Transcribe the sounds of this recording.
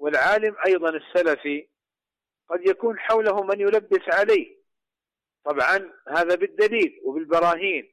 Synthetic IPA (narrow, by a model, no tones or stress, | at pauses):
wɪlʕaːlɪmʔɑjðˤɑnɪsːalafi | qɑd̪jakuːnħawlahʊmanjʊlabːɪsʕalaːh | t̪ˤɑbʕɑnhaːðabɪd̪ːaliːlwɪbɪlbɑɾˤɑːɦiːn